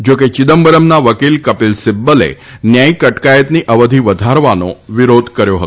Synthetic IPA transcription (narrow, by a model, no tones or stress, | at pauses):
d͡ʒoket͡ʃɪd̪əmbəɾəmnaʋəkilkəpilsɪbːəlḛ | njajkəʈkajət̪niʔəʋəd̪ʱiʋəd̪ʱaɾʋano̰ʋiɾod̪ʱkəɾjoɦət̪o